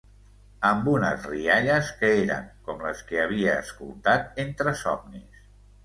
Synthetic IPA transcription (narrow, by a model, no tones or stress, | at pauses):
əmbunəzriaʎəskəeɾə̰ŋkɔmləskəəβ̞iəːskulˠt̪at̪̚ent̪ɾəsɔmnis